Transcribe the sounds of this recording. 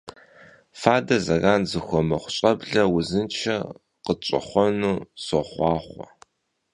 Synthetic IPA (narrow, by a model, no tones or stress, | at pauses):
faːdɐzɐɣaːnzɨxʷɔmɐχʷʊɕʼɐbɮɐwʊzɨnt͡ʃʰɐ̰ | qət͡ʃʷʼɐ̰χʷɔnuːsɔχʷɑːχʷɔ̰